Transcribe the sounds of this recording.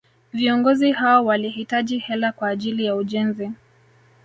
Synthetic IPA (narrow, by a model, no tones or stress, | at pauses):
viɔŋɡɔzihawɔwalihitaʄihɛlakwaːʄilijauʄɛnzi